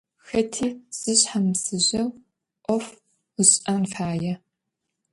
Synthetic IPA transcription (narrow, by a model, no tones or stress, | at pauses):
xɐtʰiːz̥ɨɕħamsɨʑɐw | ʔʷɔf | ɨɕʼɐnfaːjɐ